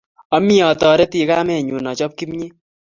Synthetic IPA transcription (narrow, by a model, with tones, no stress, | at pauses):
ɔ˦mi˦ɔ˨tɔ˨ɾɛ˦ti˨ka˦mɛ˨ɲu˨nɔ˨t͡ʃɔ˦p̚ki˦mɲe˦